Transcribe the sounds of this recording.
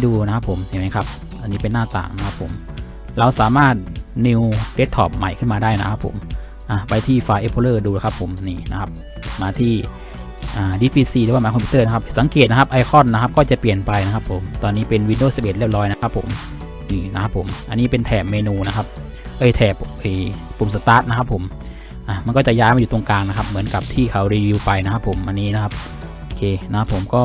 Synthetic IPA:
duː˧na˦˥kʰa˦˥pʰːo˨˩˦msa˧˩˨ma˦˥kʰa˦˥p̚ | ʔa˧nːiː˦˥pe˧nːaː˥˩t̪a̰ː˨˩ŋna˦˥kʰa˦˥pʰːo̰˩˦m | ɾa˧wsaː˩˦maː˥˩t̪̚ni˧wde˦˥t̪ʰːɔː˨˩p̚ma̰˨˩jkʰɯ˥˩nmaː˧daː˥˩jna˦˥kʰa˦˥pʰːo̰˩˦m | ʔa˧pa˧jt̪ʰiː˥˩faː˧ʔe˧˦˥pʰoː˧lɤː˥˩duː˧la˨˩kʰa˦˥pʰːo˨˩˦mniː˧˩na̰˦˥kʰa˦˥p̚ | maː˧t̪ʰiː˥˩ | ʔaː˨˩diː˧˥pʰiː˧siː˧lːwa˥˩maː˨˧kɔ˧pʰi˧t̪ɤː˥˩na˦˥kʰa˦˥p̚sa˨˦ŋkeː˨˩t̪̚na˦˥a˦˥p̚ʔa˧jkʰɔ˥˩nːa˦˥kʰa˦˥p̚kɔː˥˩t͡ɕa˨˩pli˨˩ənpa˧jna˦˥kʰa˦˥pʰːo˩˦mt̪ɔː˧nːiː˦˥pe˧nwi˧ndoː˥˩si˨˩pʔe˨˩t̪̚li˥˩p̚lɔː˦˥jna˦˥kʰa˦˥pʰːo̰˩˦m | niː˧˩na˦˥kʰa˦˥pʰːo˨˩˦mʔa˧nːiː˦˥pe˧nt̪ʰɛː˨˩p̚meː˧nuː˧na˦˥kʰa˦˥p̚ | ʔɤː˧˩jt̪ʰɛː˨˩pʔɤː˧˩pʰːo˨˩˦msa˧˥t̪aː˦˥t̪̚na˦˥kʰa˦˥pʰːo˩˦m | ʔaː˧˩ma˧nkɔː˥˩t͡ɕa˨˩jaː˦˥jma˧juː˨˩t̪o˧ŋkaː˧ŋna˦˥kʰa˦˥p̚mɯ˩˦ənka˨˩p̚t̪ʰiː˥˩kʰa˨˦wɾiː˧wi˧wpa˧jna˦˥kʰa˦˥pʰːo˩˦mʔa˧nːiː˦˥na˦˥kʰa˦˥p̚ | ʔo˧kʰeː˧na˦˥kʰa˦˥pʰːo˨˩˦mkɔː˥˩

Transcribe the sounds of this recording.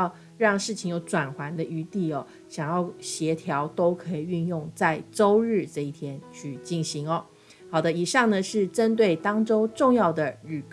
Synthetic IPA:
ʊ | ɻɑ˥˧ŋʂɻ̩˥˩t͡ɕʰi˧˥ŋjo˧˥ʊʈ͡ʂwa˨˩nxwa˧˥nd̪ə˧y˧˥t̪i˥˩ɔ˨˩ | ɕjɑ˨˩ŋjɑ˥˩ʊɕjɛ˧˥t̪ʰjɑ˧˥ʊt̪o˥ʊkʰɤ˧˥i˨˩y˥˧njʊ˥˧ŋt͡sa˥˩ɪʈ͡ʂo˥ʊɻɻ̩˥˧ʈ͡ʂɤ˥˧i˥˩t̪ʰjɛ˥nt͡ɕʰy˥˧t͡ɕi˥˩nɕi˧˥ŋɔ˨ | xɑ˨˩ʊd̪ə˦i˨˩ʂɑ˥˩ŋnə˩ʂɻ̩˥˩ʈ͡ʂə˥nt̪we˥˩ɪt̪ɑ˥ŋʈ͡ʂo˥ʊʈ͡ʂʊ˥˧ŋjɑ˥˩ʊd̪ə˩ɻy˨˩k

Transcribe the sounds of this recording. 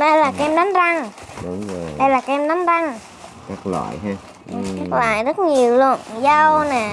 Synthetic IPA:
ɗə˧jlaː˨˩kɛ˧mɗa˨˦nza˧ŋɗʊ˨˧˦ŋ͡mə˨˩ɗa˧jlaː˨˩kʔɛ˧mɗa˨˦nza˧ŋ | ka˦˥k̚lwa̰ː˧˨jɦ | ʔɨ˨˩˨aː˦˥k̚lwa̰ː˧˨jzə˦˥t̚ɲi˨˩əwlu˧ənzə˧wnɛː˨˩

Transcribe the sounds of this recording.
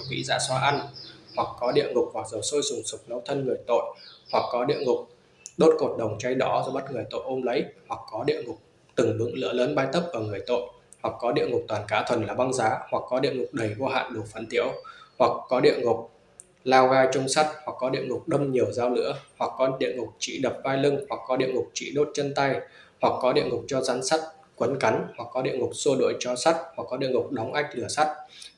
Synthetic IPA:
mḭ˧˥za̰ː˧˥swaː˧ʔa˧nhwa˨˩k̚ːkɔ˨˦ɗḭ˧˨ənŋʊ˨˩k͡p̚hwa˨˩k̚zə˨˩wso˧jsʊ˨˩ŋsʊ˨˩k͡p̚nə˨˦wt̪ʰə˧nŋɨ˨˩əjt̪o̰˧˨jʔhwa˨˩k̚ːɔ˨˦ɗḭ˧˨əŋʊ˨˩k͡p̚ | ɗo˦˥t̚ko˨˩t̚ɗə˨˩wŋ͡mt͡ɕa˧jɗɔ˨˦zɔ˧ɓa˦˥t̚ŋɨ˨˩əjt̪o̰˧˨ʔo˧mlə˨˦jhwa˨˩kːɔ˨˦ɗḭ˧˨ənŋʊ˨˩k͡p̚ | t̪ɨ˨˩ŋɗɨ̰˨˧˥ŋlɨ̰˧˥ələː˨˦nɓaː˧jt̪ə˦˥p̚ʔəː˧˩ŋɨ˨˩əjt̪o̰˧˨j | hwa˨˩k̚ːɔ˨˦ɗḭ˧˨əŋʊ˨˩k͡p̚t̪waː˨˩nkaː˨˦t̪ʰwə˨˩nlaː˨˩ɓa˧ŋzaː˨˦hwa˨˩k̚kɔ˨˦ɗḭ˧əŋʊ˨˩k͡p̚ɗə˨˩jɣo˧ɦa̰ː˧˨nɗu˨˩fə˨˩nt̪ḭ˧˥əwhwa˨˩kːɔ˨˦ɗḭ˧˨ənŋʊ˨˩k͡p̚ | laː˧wɣaː˧jt͡ɕʊ˧wŋ͡msa˦˥t̚hwa˨˩kːɔ˨˦ɗḭ˧˨ənŋʊ˨˩k͡p̚ɗə˧ŋ͡mɲi˨˩əwzaː˧wnɨ̰˧˥əhwa˨˩kːɔ˨˦ɗḭ˧˨ənŋʊ˨˩k͡p̚t͡ɕḭ˧˩ɗə˨˩p̚vaː˧jlɨ˧ŋhwa˨˩k̚ːɔ˨˦ɗḭ˧˨ənŋʊ˨˩k͡p̚t͡ɕḭ˧˨ɗo˦˥t̚t͡ɕə˧nt̪a˧jhwa˨˩k̚ːɔ˨˦ɗḭ˧˨ənŋʊ˨˩k͡p̚t͡ɕɔ˧zaː˨˦nsa˦˥t̚ | kwə˨˦nka˨˦jŋhwa˨˩k̚ːɔ˨˦ɗḭ˧˨əŋʊ˨˩k͡p̚so˧ɗo̰˧˨jt͡ɕɔ˧sa˦˥t̚hwa˨˩k̚ːɔ˨˦ɗḭ˧˨əŋʊ˨˩k͡p̚ɗɔ˨˦wŋ͡mʔa˦˥jk̚lɨ˧˩əsa˦˥t̚

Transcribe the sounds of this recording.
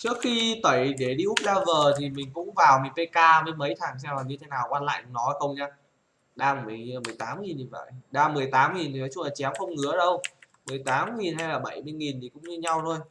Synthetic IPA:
t͡ɕɨ˦˥əkxi˧t̪ə˧˩jɗe˧˩ɗi˧ʔu˦˥k͡p̚ɗaː˧vəː˨˩t̪ʰi˨˩mï˨˩ŋ̟kʊ̰˧˥ŋ͡mvaː˨˩wmï˨˩ŋ̟fe˧jkaː˧və˨˦jmə˨˦jt̪ʰaː˨˩ŋs̬ɛ˧mlaː˨˩ɲɨ˧t̪ʰe˨˦naː˨˩wkwaː˧nla̰ː˧˨jn˧nɔ˨˦a˧˩xə˧wŋ͡mɲaː˧ | ɗaː˧m˨˩mi˨˩ŋ˨˩mɨ˨˩əjt̪aː˨˦mŋi˨˩nt̪i˨˩və̰˧˨jɗaː˧mɨ˨˩əjt̪aː˨˦mŋi˨˩nt̪ʰi˨˩nɔ˨˦t͡ɕʊ˧ŋ͡mlaː˨˩t͡ɕɛ˨˦wxə˧wŋ͡mŋɨ̰˧˥˦əɗə˧w | mɨ˨˩əjt̪aː˨˦mŋi˨˩nɦa˧jlaː˨˩ɓə˧˩jmɨ˧əjŋi˨˩nt̪ʰi˨˩kʊ̰˧˥ŋ͡mɲɨ˧ɲa˧wt̪ʰo˧j

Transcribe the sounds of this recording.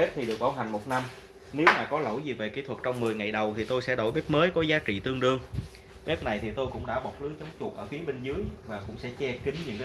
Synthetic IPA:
p̚t̪ʰi˨˩ɗɨ˨˩ək̚ɓaː˧˩wɦa˨˩ŋ̟mo˨˩t̚na˧m | ne˨˦wmaː˨˩kɔ˨˦lə̰˧˩jzi˨˩ve˨˩kḭ˧˥t̪ʰwə˨˩t̚t͡ɕɔ˧wŋ͡mmɨ˨˩əjŋa˨˩jɗə˨˩wt̪ʰi˨˩t̪o˧jsɛ̰˧˥ɗo̰˧˩jɓɛ˦˥p̚məː˨˦jkɔ˨˦zaː˨˦t͡ɕḭ˧˨t̪ɨ˧əŋɗɨ˧əŋ | ɓɛ˦˥p̚na˨˩jt̪ʰi˨˩t̪o˧jkʊ̰˧˥ŋ͡mɗa̰ː˧˥ɓɔ˨˩t̚lɨ˨˦t͡ɕɔ˨˦wŋ͡mt͡ɕʊ˨˩k̚ʔəː˧˩fi˨˦əɓe˧nzɨ˨˦əjvaː˨˩kʊ̰˧˥ŋ͡msɛ̰˧˥t͡ɕɛ˧kï˨˦ŋ̟ɲɨ̰˧˥ŋkː

